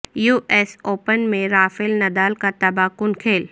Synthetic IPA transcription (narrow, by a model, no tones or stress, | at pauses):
juːʔeːsoːpənmẽɾaːfɪlnɐd̪aːlkat̪ɐbakʊnkʰeːl